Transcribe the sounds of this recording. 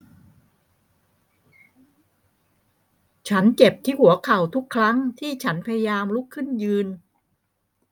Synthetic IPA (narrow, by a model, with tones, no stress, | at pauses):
t͡ɕʰa˦˥nt͡ɕe˨˩p̚t̪ʰiː˥˩hu˨˩˦ɐkʰa˨˩wt̪ʰu˦˥kʰːɾa˦˥ŋt̪ʰiː˥˩t͡ɕʰa˦˥npʰa˧ja˧jaː˧mlu˦˥kʰːɯ˥˩njɯː˧n